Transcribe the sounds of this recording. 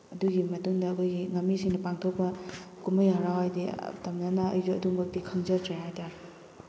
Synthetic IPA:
ɐduɡimɐtuŋdɐːkʰojɡiŋɐmːisiŋnɐpaŋtʰok̚pɐ | kumɐjɦaɾawɦajdḭtɐmnɐnɐɐ̰jzuɐduŋbɐk̚tikʰɐŋzɐɾtɾajɦajtaɾi

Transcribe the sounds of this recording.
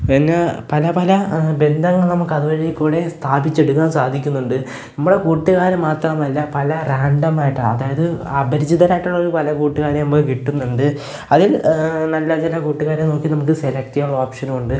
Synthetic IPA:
penːepɐlɐpɐlɐbe̞nd̪ʱɐŋːɐɭnɐmukːɐðuʋɐɻijilkuːɽe̞st̪ʰaːbʱit͡ɕːe̞ɽukːaːnsaːd̪ʱikʲːunːuɳɖɨ | nɐmːuɽe̞kuːʈːuɣaːɾɐmːaːt̪rɐmɐlːɐpɐlɐraːɳɖɐmaːjiʈːɐɐðaːjɐðɨɐbʱɐɾid͡ʑiðɐlaːjiʈːuɭːɐoɾupɐlɐkuːʈːuɣaːɾjɐmemboːkiʈːunːɐɳɖɨ | ɐðilnɐlːɐt͡ɕilɐkuːʈːuɣaːɾjɐmno̞ːkːinɐmuk̬ːɨselɐk̚t̪ijaɭːɐoːpʂɐnɐmuɳɖɨ

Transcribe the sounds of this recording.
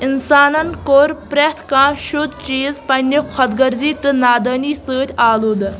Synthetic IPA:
insaːnɐnkoːɾpɾɛt̪ʰkãːʃud̪̚t͡ʃiːzpɐnʲikʰɐd̪ɡɐɾziːt̪ɨnaːd̪ɐːniːsɨːt̪ʲaːluːd̪ɨ

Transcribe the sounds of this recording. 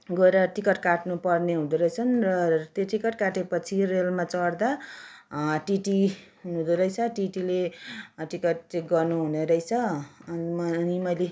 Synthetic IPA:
ɡʌeɾʌʈikʌʈkaʈnupʌrneɦud̪uɾʌjt͡sʰʌnrʌt̪oʈikʌʈkaʈepʌt͡sʰirelmat͡sʌrd̪a | ʈiʈiɦunud̪uɾʌjt͡sʰʌʈiʈileʈikʌʈ̚t͡seɡʌrnuɦuneɾʌjt͡sʰʌ | mnimʌjle

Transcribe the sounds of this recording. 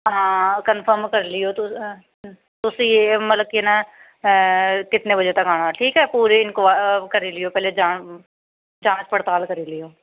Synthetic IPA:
ɦãːkənpʰəɾmkəɾlɪjoːt̪ʊ | t̪ʊsĩːemət̪ləb̚kena | kɪt̪nẽbəd͡ʒət̪əkaːɽ̃aʈʰiːkɦɛːpuːɾeɪnkoakəɾiːlɪjoːpɛːled͡ʒaː | d͡ʒaːt͡ʃpəɽt̪aːlkəɾiːlɪjoː

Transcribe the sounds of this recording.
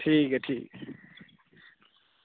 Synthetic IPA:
ʈʰikɐʈʰik

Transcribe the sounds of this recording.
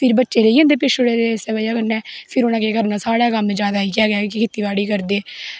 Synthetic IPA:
pʰɪɾbətːʃeːɾeːiːãːnd̪eːpɪʃoɽeːɾeseːbaːjaːkənɛːpʰɪɾʊnãːkeːkəɾnãːsaːɽaːkəmd͡ʒaːd̪aːiːkɛːɡaːkɪkʰɪt̪iːbaːɽiːkəɾd̪eː

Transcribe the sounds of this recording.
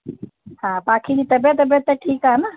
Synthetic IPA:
hãːpaːkʰid͡ʑiːt̪ɐbjət̪ːəbjət̪ːaʈʰiːkaːɦena

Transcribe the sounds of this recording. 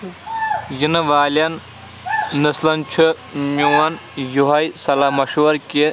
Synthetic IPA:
jinɐʋaːlɐnː | ɐslɐnt͡ʃʰɨ | ɲuwɐnjuɦɐjsɐlaːmɐʃuɐɾke

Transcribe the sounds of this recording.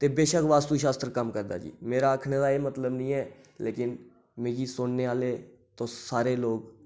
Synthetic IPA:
t̪eːbeːʃəkʋaːst̪uːʃaːst̪ɾkəmkəɾd̪a̰ːd͡ʒḭːmeːɾaːəkʰɳeːd̪aːeːmət̪ləbnĩːɛː | lʔeːkɪn | meːɡiːsʊnneːaːleː | t̪õːsaːɾeːloːɡ

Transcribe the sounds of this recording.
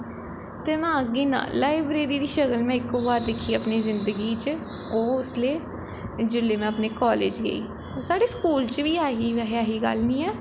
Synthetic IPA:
t̪eːmɛ̃ːəɡiːnã̰ːlaːibɾeːɾiːɾiːʃəɡəlmɛ̃ːɪkoːbaːɾd̪ekʰːiːəpniːzɪnd̪əɡiːt͡ʃ | oːʊsleː | d͡ʒʊlːeːmɛ̃ːəpneːkɔːlḛːd͡ʒɡə̰ḭː | saːɽeːskuːlt͡ʃʋiːaːɦiːɦaːɦiːɡə̰lnĩːɛː

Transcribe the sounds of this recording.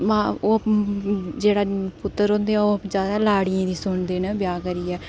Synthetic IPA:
mãːoː | d͡ʒeːɽaːpʊt̪ːəɾɦõːnd̪eɛ̃oːd͡ʒjaːd̪aːlaːɽiãːd̪iːsʊɳd̪eːnəbjaːkəɾiːɛː

